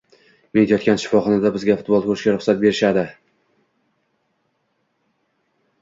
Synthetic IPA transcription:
met̪jɒt̪kʲanʃɪ̥fɒχɒnad̪abɪzɡʲafʊt̪̚bolˠkʰɵɾʃkʲaɾʊχsat̪̚be̞ɾɪʃad̪ɪ

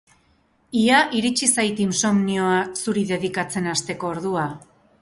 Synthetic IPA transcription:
iaʔiɾit͡ʃisajt̪imso̞mnio̞asuɾiðe̞ðikat͡se̞nast̪e̞ko̞ːɾðua

